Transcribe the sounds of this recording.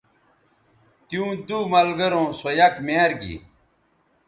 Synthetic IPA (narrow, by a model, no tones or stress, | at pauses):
t̪jũːd̪umɐlɡɐɾõːsɐjakmaːɾɡḭ